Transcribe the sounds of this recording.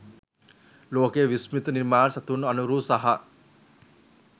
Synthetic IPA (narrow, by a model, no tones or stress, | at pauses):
loːkejəʋismit̪əniɾmaːnsat̪unːɐnuɾuːsaɦɐ